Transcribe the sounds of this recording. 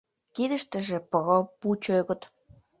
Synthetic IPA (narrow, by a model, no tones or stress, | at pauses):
kid̪ə̆ʃt̪ə̆ʒĕpəɣə̆put͡ɕøɣə̆t̪